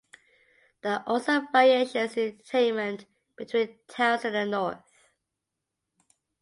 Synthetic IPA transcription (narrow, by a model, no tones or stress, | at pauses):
ðiʔɔsəvaɹieɪʃə̃sɪ̃ntətʰẽɪ̃nmə̃nʔ | b̥ɪtʰw̥ĩntʰaʊθə̃nə̃nːɔɹθ